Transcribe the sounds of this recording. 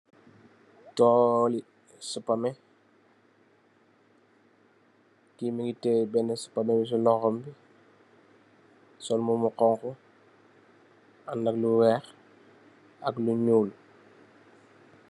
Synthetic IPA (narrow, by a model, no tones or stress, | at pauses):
tɔːli | səpːamɛ | kimiɡitɛbɛnːɛsə̥pamɛbis̬ulɔxɔmbi | sɔlmumuqɔŋku | anːakluwɛːx | ɐkluɲuːlu